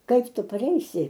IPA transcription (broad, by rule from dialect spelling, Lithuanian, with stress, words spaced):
ˈkɐɪp ˈtʊ pɐˈrʲɛɪsʲɪ